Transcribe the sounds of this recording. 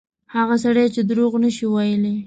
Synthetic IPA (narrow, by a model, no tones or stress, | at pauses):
haɣasaɽajt͡ʃed̪ɾoɣnəʃiwajəle